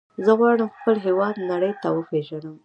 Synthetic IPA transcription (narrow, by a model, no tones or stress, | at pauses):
zəɣwɑɽəmxpəlɦewɑd̪naɽəjt̪awəpeʒanəm